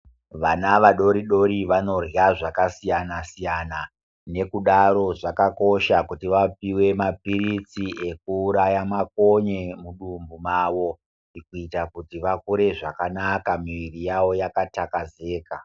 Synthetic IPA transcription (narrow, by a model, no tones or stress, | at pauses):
ʋanaʋaɗo̞ɾiɗo̞ɾiʋano̞raʐakasijanasijana | ne̞kuɗaɾo̞ʐakako̞ʃakutiʋap̚iwe̞mapirit͡sie̞k̚uːɾajamako̞ɲemuɗumbumaːʋo̞ | ikuitakutiʋakuɾe̞ʐakanakamiʋirijawo̞jakatakaze̞ːka